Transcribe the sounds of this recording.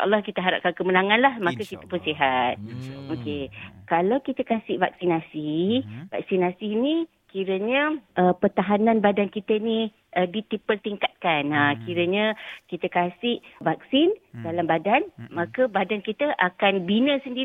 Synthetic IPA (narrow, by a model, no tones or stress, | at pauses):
ʔɑ̰lːɑhkit̪əɦaɾa̰p̚kankəmənaŋãnlahmakəkit̪ə̥pʊnsiɦat̪̚okekalawkit̪əkasɪʔva̰k̚sinasiva̰k̚sinasini | kiɾəɲəʔəpərt̪aɦanãnbadankit̪əni | dit̪ipəlt̪iŋkat̪̚kanakiɾəɲəkit̪əkasɪʔvak̚sɪndalambadanmãkəbadankit̪əʔakanbinəsəndi